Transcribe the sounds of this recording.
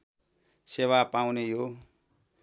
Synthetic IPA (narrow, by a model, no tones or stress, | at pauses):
sewapawnejo